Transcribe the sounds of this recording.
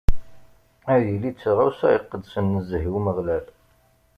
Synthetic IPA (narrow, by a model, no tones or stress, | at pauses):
æɾjəlit͡sːʁæwsæəqːəd̪sənːəzəɦiwməʁlæl